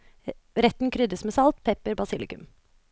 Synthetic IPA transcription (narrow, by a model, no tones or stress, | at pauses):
ɾɛt̪n̩kʰɾʏd̪əsmeːsɑlt̪pʰɛpəɾbɑsɪlɪ̰kʉ̰m